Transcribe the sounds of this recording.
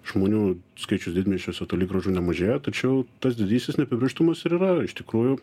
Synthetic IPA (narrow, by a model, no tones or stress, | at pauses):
ʒ̥moːnʲuːskɐɪt͡ʃʲʊsd̪ʲɪd̪ʲmʲeʃʲoːsʲɛt̪oːlʲiɡɾɐʒuːnʲɛmɐʒʲeːjot̪ɐt͡ʃʲɛʊt̪ɐsd̪ʲɪd̪ʲiːsʲt̪ʲɪsnʲɛpʲɪbʲɪʃt̪ɐmɐsɪɾiːɾɐɪʃt̪ʲɪkɾuːjʊ